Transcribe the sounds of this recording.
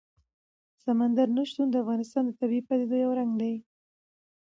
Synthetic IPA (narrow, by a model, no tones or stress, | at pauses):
samand̪aɾnuʃt̪und̪əafɣɑnɪst̪ɑnd̪ət̪abiipad̪ed̪ojawɾaŋɡd̪aj